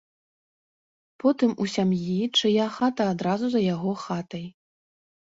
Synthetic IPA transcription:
pɔt̪ɨmusʲamjit͡ʂɨjaxat̪ɐːd̪ɾazuzɐjaɣɔxat̪ɐj

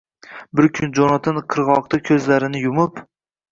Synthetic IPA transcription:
bɪɾkʲʰʊnd͡ʒonat̪ʰanqʰɨɾʁɒq̚t̪akʲʰɵzlaɾɪnɪjʊmʊp

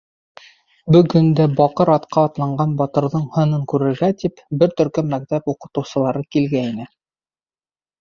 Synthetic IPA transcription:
bɵ̆ɡɵnd̪æbɒqɤɾɑt̪qɑːt̪lˠɑɴɢɑnbɑt̪ɤ̆ɾðɤɴhɤ̆nɤŋkʉɾɘ̆ɾɡæt̪ipbɘɾt̪ɵ̆ɾkɵmːæk̚t̪æpuqɤ̆t̪ɤ̆wsɤ̆lˠɑɾɤkilɡæinɘ

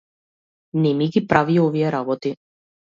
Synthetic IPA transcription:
nɛmiɡipɾʔaviɔvijɛɾabɔt̪i

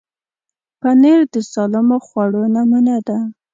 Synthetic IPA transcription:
paneɾd̪əsɑlɪmoxwaɽonamunad̪a

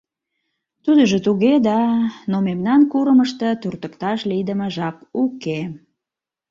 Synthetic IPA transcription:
t̪ud̪əʒət̪uɣed̪ɑnomemnɑnkuɾəməʃt̪ə̆t̪urt̪əkt̪ɑʃlid̪əməʒɑkuke

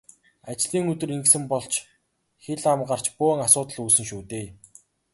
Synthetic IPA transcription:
at͡ɕɮiːŋɵt̪ɵ̆ɾiŋɡsɘ̆mpɔɮt͡ɕʰ | xeɮamɢar̥t͡ɕpʊŋasʊːt̪ə̆ɮuːsɘ̆ŋʃuːt̪eː

